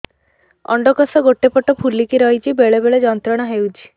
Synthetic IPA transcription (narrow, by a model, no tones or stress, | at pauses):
ɔ̰ɳɖɔkɔsɔɡoʈːepɔʈɔpʰulikiɾɔɦit͡ʃʰibeɭebeɭed͡ʒɔnt̪ɾɔɽ̃ɔɦewt͡ʃʰi̥